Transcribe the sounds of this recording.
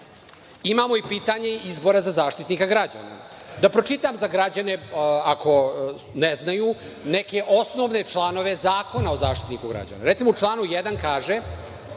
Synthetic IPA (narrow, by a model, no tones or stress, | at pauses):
imamo̞ipiːt̪aɲe̞izbo̞ɾazazaːʃt̪it̪nikaɡɾad͡ʑa̰ːna̰ | d̪apɾot͡ʃit̪amzaɡɾad͡ʑane̞akʰo̞ | neznaju | neke̞ʔo̞sno̞ʋne̞t͡ʂlˠano̞ʋe̞zaːko̞nao̞zaːʃt̪i̥t̪nikuɡɾa̰d͡ʑa̰na̰ɾe̞t̪simout͡ʂlˠaːnujed̪ankaːʒe